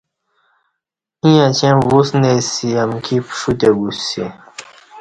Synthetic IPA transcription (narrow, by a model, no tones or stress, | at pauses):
ĩjãt͡ɕẽmwusnesiamkʰipʂut̪eɡusi